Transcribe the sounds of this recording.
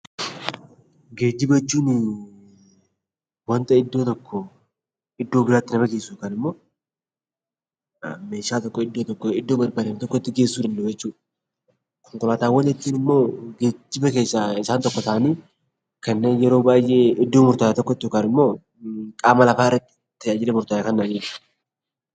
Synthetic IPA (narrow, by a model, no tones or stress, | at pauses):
ɡe̞ːd͡ʒːɪbɐt͡ʃːuːnɪ | wɐnt̪ʼɐɪd̪ːo̞ːt̪ɔkːɔ | ɪd̪ːo̞ːbɪɾaːt̪ːɪnɐbɐɡeːsːukɐnɪmːo̞ː | me̞ːʃaːt̪ɔkːɔɪd̪ːoːt̪ɔkːɔɪd̪ːoːbɐɾbaːd̪ɐmt̪ɔkːɔɪt̪ːɪɡe̞ːsːuːd̪ɐnd̪ɐʊd͡ʒɛt͡ʃːuː | kɔŋkʊlaːt̪aːwɐnɛt̪ːiːnɪmːo̞ːɡeːd͡ʒːɪbɐke̞ːsːaɪsaːnt̪ɔkːɔt̪ʰɐʔɐniː | kɐnːe̞ːnjɛɾo̞ːbaːjʔeɪd̪ːo̞ːmʊɾt̪aːjat̪ɔkːɔɪt̪ːɪɔkɐnɪmːoː | kʼaːmɐlɐfaːɪrrɐt̪ːɪ̥ | t̪ːɪɐd͡ʒɪlɛmʊɾt̪ajakɐnːaːniːt͡ʃu